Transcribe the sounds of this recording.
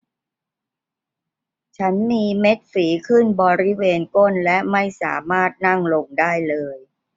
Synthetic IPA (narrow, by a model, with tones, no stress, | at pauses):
t͡ɕʰa˦˥nmiː˧me˦˥t̪̚fiː˩˦kʰɯ˥˩nbɔː˧ɾi˦˥weː˧nko˥˩nlɛ˦˥ʔma˥˩jsa̰ː˩˦maː˥˩t̪̚na˥˩ŋlo˧ŋdaː˥˩jlɤː˧j